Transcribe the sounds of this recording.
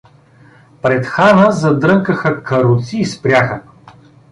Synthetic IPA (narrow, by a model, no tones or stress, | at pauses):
pɾɛt̪xanəzɐd̪ɾɤŋkəxəkɐɾut̪siːspɾʲjaxə